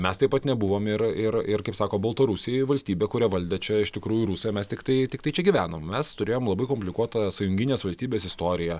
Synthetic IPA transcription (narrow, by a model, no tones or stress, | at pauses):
mʲɛst̪ɐɪpɐt̪nʲɛbʊʋoːmɪɾɪɾɪrkɐɪpsɑːkoːbɐlˠt̪ɐɾʊsʲɪjɛɪʋɐlʲsʲt̪ʲiːbʲeːkʊɾʲɛʋɐlʲd̪ʲɛt͡ʃʲɛɪʃt̪ʲɪkɾuːjuɾusojmʲɛst̪ʲɪkt̪ɐɪt̪ʲɪkt̪ɐɪt͡ʃʲɛɡʲiʋʲæːnoːmmʲɛst̪ʊɾʲeːjoːmlˠɐbɐɪkomʲpʲlʲɪkuɔt̪ɐsɐjʊŋʲɡʲɪnʲeːsʋɐlʲsʲt̪ʲiːbʲeːsɪst̪oːɾʲɪjɛ